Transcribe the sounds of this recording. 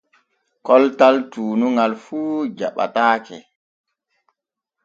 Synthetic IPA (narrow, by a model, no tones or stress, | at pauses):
kɔltaltuːnuŋɡalfuːd͡ʒa̰ɓa̰taːkɛ̰